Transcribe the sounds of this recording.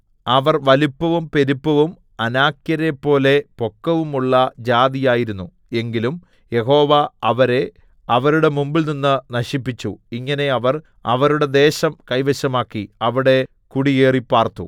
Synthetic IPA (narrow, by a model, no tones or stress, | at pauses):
ɐʋɐrʋɐlipːɐʋumpe̞ɾupːɐʋum | ɐnaːkjɐɾepːo̞ːle̞po̞kːɐʋumuɭːɐd͡ʑaːd̪ijaːjiɾunːu | e̞ŋɡilum | je̞ɦo̞ːʋɐɐʋɐɾe̞ | ɐʋɐɾuɽe̞mumbilninːɨnɐɕipːit͡ɕːuiŋːɐne̞ɐʋɐr | ɐʋɐɾuɽe̞d̪e̞ːɕɐmkɐjʋɐɕɐmaːkːiɐʋiɽe̞ | kuɽieːripːaːrt̪ṵ